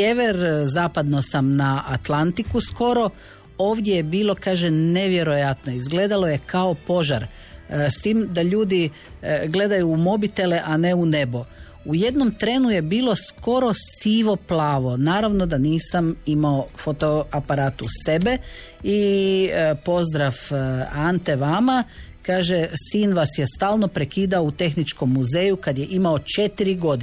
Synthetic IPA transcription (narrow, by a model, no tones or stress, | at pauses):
eʋeɾzaːpad̪nosamnaʔat̪lant̪ikusko̞ɾo̞ | oːʋd̪je̞jebiːlˠo̞kaːʒene̞ʋje̞ɾo̞jat̪noizɡle̞ːd̪alˠo̞je̞kao̞po̞ʒa̰ɾ | st̪iːmd̪aʎuːd̪i | ɡle̞d̪ajuːmo̞bit̪e̞leʔane̞une̞bo̞ | uje̞d̪no̞mt̪ɾe̞ːnuje̞biːlo̞sko̞ɾo̞siʋo̞plˠaːʋo̞naːɾaʋno̞d̪aniːsamimaofot̪oapaɾaːt̪use̞be̞ | i | po̞zd̪ɾafant̪e̞ʋama | kaːʒesiːnʋasjest̪aːlˠno̞pɾekiːd̪aout̪e̞xnit͡ʃko̞mːuze̞ːjukad̪je̞ʔimao̞t͡ʃe̞t̪iɾiɡo̞d̪i